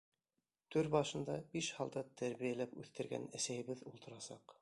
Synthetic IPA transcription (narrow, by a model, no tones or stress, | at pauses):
t̪ɵɾbɑʃɤ̆nd̪ɑbiʃhɑlˠd̪ɑt̪ʰæɾβijælæpʉθt̪ɘ̆ɾɡæ̰næsæjɘ̆βɘðulˠt̪ɤ̆ɾɑsɑq